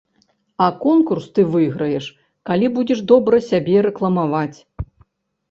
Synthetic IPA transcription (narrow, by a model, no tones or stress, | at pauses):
ɐkɔnkurst̪ɨvɨjɣɾɐjɛʂ | kalʲibud͡zʲɛʂd̪ɔbɾɐsʲabʲɛɾɛklˠɐmavat͡sʲ